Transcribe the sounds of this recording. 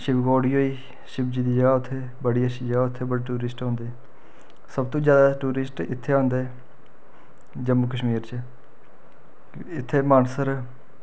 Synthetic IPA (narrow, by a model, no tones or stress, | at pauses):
ʃɪbɡoːɽiːɦoːiː | ʃɪb̚d͡ʒiːd̪iːd͡ʒaʊt̪ʰːeː | bəɽiːəʃiːd͡ʒaːʊt̪ʰːeːbəɽeːʈuːɾɪsʈõːnd̪eː | səb̚t̪õːd͡ʒjaːd̪aːʈuːɾɪsʈɪt̪ʰːeːãːnd̪eɛ | d͡ʒəmːuːkəʃmiːɾt͡ʃə | ɪt̪ʰːeːmaːnsəɾ